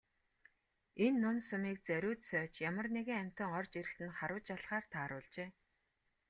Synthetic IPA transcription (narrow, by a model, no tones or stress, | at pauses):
enːʊmsʊmiːk̚t͡sæɾʲʊːt̪sœːt͡ɕjamə̆rneɣɘ̆ŋæm̥ʲt̪ə̆ŋɔrt͡ɕeɾɘ̆kt̪ɘ̆nχaɾʊːt͡ɕaɮχaːrt̪ʰaːɾʊːɮt͡ɕeː